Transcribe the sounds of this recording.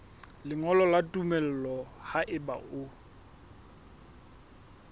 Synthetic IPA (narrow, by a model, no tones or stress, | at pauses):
lɪŋɔlɔlatʼumɛl̩lɔhaʔɪba̰ʔʊ